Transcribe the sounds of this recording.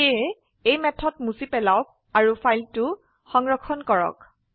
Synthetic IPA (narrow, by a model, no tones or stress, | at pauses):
e | ejmɛtʰɔtmusipɛlaʊk̚ | aɹufʰajltʊ | xɔŋɹɔkʰːɔnkɔɹɔ̰k